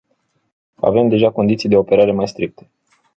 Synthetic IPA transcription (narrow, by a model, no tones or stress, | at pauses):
a̰ve̞md̪e̞ʒako̞nd̪it̪sijd̪e̞o̞pe̞ɾaɾe̞majst̪ɾik̚t̪ʰe̥